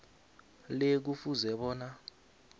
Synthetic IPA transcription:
lek̬ufuzɛɓɔːna

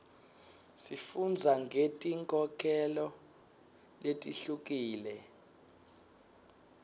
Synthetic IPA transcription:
sifund͡zʱaŋɡʱetʼiŋkʼɔkʰɛlɔ | letʼiɬuk̬iːlɛ

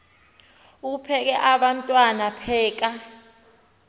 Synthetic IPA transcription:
uupʰɛk̬ɛʔaɓantʼwanapʰɛːk̬a

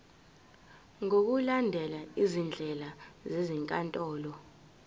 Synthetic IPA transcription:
ŋok̬ulandʱɛlaizind͡ɮʱɛlazeziŋkʼantʼɔːlɔ

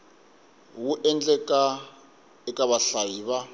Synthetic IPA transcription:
wuʔɛnd͡ɮɛkʼa | ɛkʼaβaɬajiːβa

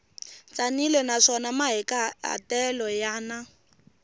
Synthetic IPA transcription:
t͡sanilɛnaʂɔnamaɦɛkaɦa̰tɛlɔjaːna

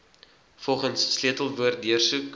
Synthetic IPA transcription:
fɔlˠχənsːliətəlˠvuərt̚diərsuk

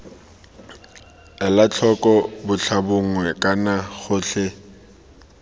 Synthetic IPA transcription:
ɛlat͡ɬʰɔkʼɔbʊt͡ɬʰabʊŋ̩wɛkʼanaχʊɬe

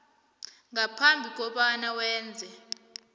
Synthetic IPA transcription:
ŋapʰambʱik̬ʼɔɓanawɛːnd͡zʱɛ

